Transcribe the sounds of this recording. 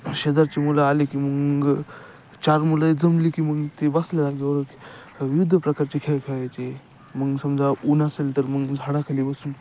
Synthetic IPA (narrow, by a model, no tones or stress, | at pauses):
ɕed̪aɾt͡ɕemulaːlekiməɡ | t͡ɕaɾmulajd͡zəmliːkiməɡt̪ebaslalaɡeəɾək | ʋiʋud̪ʱəpɾəkaɾt͡ɕekʰekʰaɭajt͡ɕe | məɡsəmd͡zʱaʔunasalt̪əɾməɡd͡zʱaɽakʰalibəsuːn